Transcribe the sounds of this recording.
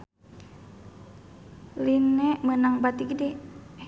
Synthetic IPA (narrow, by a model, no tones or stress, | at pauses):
linɛmənaŋbat̪ikidi